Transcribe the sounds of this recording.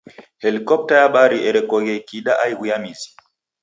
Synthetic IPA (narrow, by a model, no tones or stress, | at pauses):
helikɔp̚tajaɓaɾiɛɾɛkɔɡɛkiɗaʔajɡujamizi̥